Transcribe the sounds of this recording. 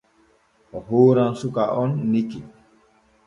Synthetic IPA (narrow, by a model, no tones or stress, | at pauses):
ɔɦoːɾãnsukaʔɔnːiki